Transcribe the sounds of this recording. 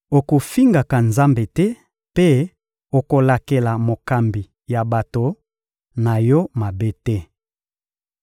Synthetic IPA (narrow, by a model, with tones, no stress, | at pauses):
o˨ko˨fi˦ŋɡa˨ka˨nza˦mbe˨tɛ˦ | pe˦ | o˨ko˨la˨ke˨la˨mo˨ka˨mbi˨ | ja˨ba˨to˨ | na˨jɔ˦ma˨be˦tɛ˦